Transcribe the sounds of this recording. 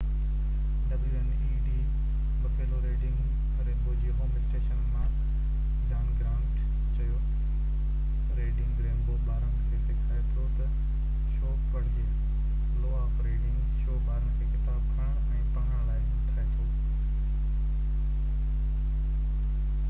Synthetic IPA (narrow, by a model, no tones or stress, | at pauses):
ɖɐblʋẽn | iːɖi | pɐkʰeːloɾeːɖɪ̃ŋɡ | ɐɾeboːd͡ʑiɦoːmɪsʈeːʃənkãː | ɡãːɳʈɡɾãːɳʈ | t͡ɕɐjo | ɾeːɖɪ̃ŋɡɡɾeːmboːɓaːɾənɪ̆kʰeːsɪkʰaːjot̪ʰjot̪ɐ | ʃoː | əɽd͡ʑeː | loːaːfɾeːɖɪ̃ŋɡʃoːbaːɾəɽ̃ɪ̆kʰeːkɪt̪aːbkʰɐɽ̃əɽ̃ɛ̃ːpɐɳəɽ̃laːɪ | ʈ̪ʰaːẽt̪ʰo